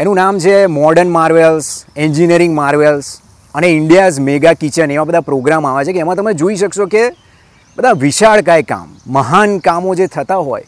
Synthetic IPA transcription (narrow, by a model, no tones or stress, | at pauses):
enũnamt͡ʃʰemɔɾɖəɾnmaɾʋelsɛɲd͡ʒiniəɾɪ̃ŋɡmaɾʋels | əneɪɳɖijazmeɡakit͡ʃəɳeʋãbəd̪ʱapɾoɡɾamaʋat͡ʃʰekeːmãt̪əmed͡ʒoiʃəkʃoke | bəd̪ʱaʋiʃaɭkajka̰mːəɦankamod͡ʒet̪ʰət̪aɦo̰j